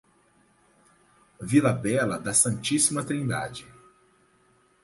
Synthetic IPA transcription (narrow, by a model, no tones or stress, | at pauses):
vilɐbɛlɐd̪ɐsɐ̃nt͡ʃisimɐt̪ɾĩnd̪a̰d͡ʒɪ